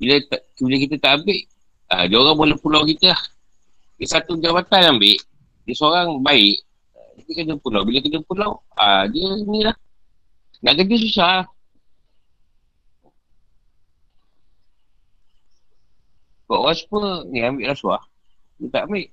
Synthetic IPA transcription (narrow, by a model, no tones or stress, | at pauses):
bilət̪ | biləkit̪ət̪aʔambɪʔ | ə̰dioɾaŋbələpulawkit̪əlah | dəsat̪ud͡ʒabat̪anjambɪʔ | diəsoɾaŋbaɪʔ | idikəd͡ʒəpulawbiləkəd͡ʒəpulaw | a̰diəinĩlah | naʔkəd͡ʒəs̬usahh | kɔ̰ʔoɣaspəniambɪʔlahsuah | diət̪aʔambɪʔ